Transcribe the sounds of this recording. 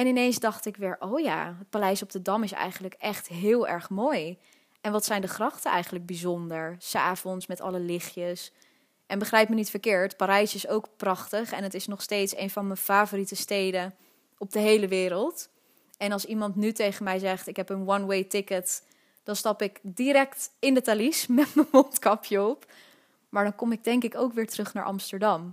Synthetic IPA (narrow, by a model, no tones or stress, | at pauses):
ɛnɪnejnzdɑχtɪkʋɪːɹʔowja̰ːɦət̚palɛjsɔb̚dədɑmɪsɛ̰jχənləkɛχtɦɪːlˠɛ̰ɹχmoːj | ɛnʋɑtsɛjndəχrɑχtəɛ̰jχən̩ləɡ̚bizɔndəɹsa̰ːvɔnsmɛtɑ̰ləlɪχjəs | ʔɛnbəχrɛjpmənitfəɹkɪːɹtpaːɾɛjsɪsowkprɑχtəχɛnətɪsnɔχstejtsḛjnvɑnməfaːvoːritəstejdən | ɔb̚dəɦejləʋɪːɾəlˠt | ɛnɑlˠsimɑntnytejχənmɛjzɛχtɪkɦɛpənwɑnwejtɪkət | d̥ɑnstɑpɪkdiɾɛktɪndətalismɛtmənmɔntkɑpʰjɔp | maːɹdɑŋkɔmɪɡ̚dɛŋkɪkowkʋɪːɹtərɵχna̰ːɹʔɑ̰mstəɹdɑm